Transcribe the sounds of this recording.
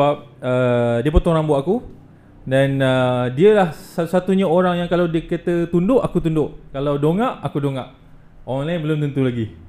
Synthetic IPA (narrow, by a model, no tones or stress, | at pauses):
ap̚ədiəp̬ət̪oɾaŋbuaʔaku | danədiəlahsat̪usat̪uɲaoɾaŋjaŋkalawdiəkət̪ət̪undʊʔakut̪undʊʔkalawdoŋãʔakudoŋaʔ | oɔɾanlaɪnbəlʊmt̪unt̪ulaɡi